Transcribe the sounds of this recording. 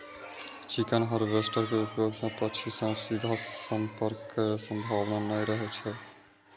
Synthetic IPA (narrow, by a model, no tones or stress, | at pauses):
t͡ʃikənɦəɾbesʈəɾkeupjoɡsə̃pət͡ʃʰisə̃sid̪ʱasəmpəɾkːesə̃mbʱabnanəjɾəɦɛt͡ʃʰɛ